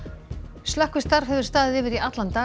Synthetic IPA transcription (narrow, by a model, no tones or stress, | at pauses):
slahkvʏst̪aɾv̥hɛvðʏɾ̥st̪aːðɪðɪːvɪɾiat̪lant̪a